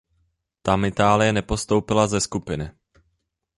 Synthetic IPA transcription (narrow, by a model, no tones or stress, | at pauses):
t̪amɪt̪aːlɪjɛnɛpo̞st̪o̞wpɪlazɛskupɪnɪ